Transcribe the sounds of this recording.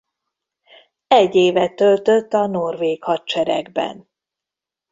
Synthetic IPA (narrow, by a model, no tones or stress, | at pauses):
ɛɟːeːvɛt̪ølt̪øt̪ːɒno̞rveːkhɒt̪t͡ʃɛɾɛ̰ɡbɛ̰n